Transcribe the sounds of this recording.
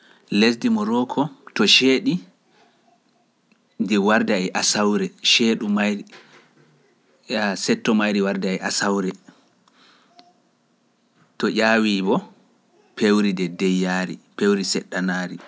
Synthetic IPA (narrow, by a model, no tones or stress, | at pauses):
les̬dimɔɾɔːkʰɔtɔʃeːɗi | diwaɾdaɛʔasawɾɛʃeːɗumaj | sɛtːɔmajɾiwaɾdaɛʔasawɾɛ | tɔʔʲaːwiːbɔ | pʰewɾidɛdɛjːaːɾḭpewɾisɛɗːanaːɾi